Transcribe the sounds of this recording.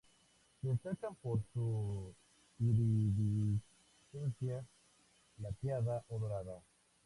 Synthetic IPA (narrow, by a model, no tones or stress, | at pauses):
seseɾkampoɾsu | iɾiβi | sensja | lapjaðaʔoðoɾaða